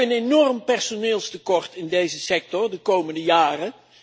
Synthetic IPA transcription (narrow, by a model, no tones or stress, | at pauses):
ənenɔrmpɛɹsonɪːlˠstəkɔɹtɪndejzəsɛk̚tɔɹdəkowməndəjaːrə